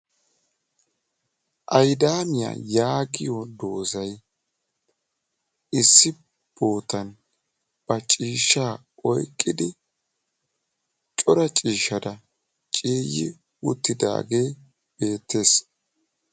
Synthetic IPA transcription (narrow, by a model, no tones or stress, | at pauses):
ʔɐjd̪aːmɪja̰jaːɡɪjɔd̪o̞ːzɐj | ɪsːɪ | b̥o̞ːt̪ɐn | b̥ɐt͡ʃʼiːʃːaː | ɔjkʼːɪd̪ɪ | t͡ʃʼɔɾɐt͡ʃʼiːʃɐd̪ɐ | t͡ʃʼiːjɪ̰ | ʊt̪ːɪd̪a̰ːɡe̞ː | b̥e̞ːt̪ːe̞ːs